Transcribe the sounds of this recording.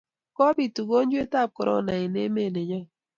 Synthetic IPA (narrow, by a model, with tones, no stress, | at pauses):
kɔ˦bi˨tu˨ɡo˦n˦d͡ʒwe˦ta˦˨p̚kɔ˨ɾɔ̰˦˨na˨i˨ne˦me˦˨ne˨ɲɔ˦